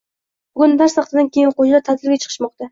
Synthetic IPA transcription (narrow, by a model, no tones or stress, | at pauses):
bʊɡʲʊnb̪aɾsɑqt̪ʰɪd̪ankʲʰe̞jɪnqod͡ʒlat̪ʰat̪ʰɪlɾɡʲat͡ʃʰɨ̥qʰɨ̥ʃmɒqt̪a